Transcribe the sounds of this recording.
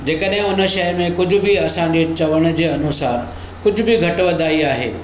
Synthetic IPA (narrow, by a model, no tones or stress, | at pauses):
d͡ʑeːkəɗɦɪ̃ʊnə̆ʃɐjmẽkʊd͡ʑʱʊ̆biɐsãɲd͡ʑeːt͡ɕɐʋəɽ̃̆d͡ʑeːɐnʊsaːɾ | kʊd͡ʑʱʊ̆bʱɪɡʱɐʈʋɐd̪aːiaːɦḛː